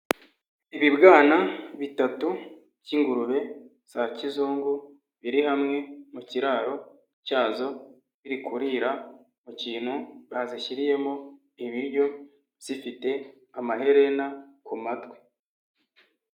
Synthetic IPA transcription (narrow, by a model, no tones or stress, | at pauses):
iβibɡaːnaβitatu̥ | ɟiŋɡuɾuβe̞ | sacizuːŋɡu | βiɾihamŋe̞muciɾaːɾo̞ | caːzo̞ | βiɾikuɾiɾa | muciːn̥huβaziçiɾije̞mo | iβiɾɟo̞ | βz̥ifite̞ | amaɦe̞ɾe̞nakumatwe